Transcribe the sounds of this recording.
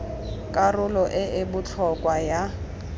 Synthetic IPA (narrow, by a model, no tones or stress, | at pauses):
kʼarʊlɔʔɪɪbʊt͡ɬʰɔkʼwaja